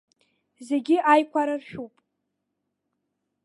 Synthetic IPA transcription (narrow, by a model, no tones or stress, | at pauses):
ze̞ɡʲɪʔajkʷʰaɾarʃᶣupʼ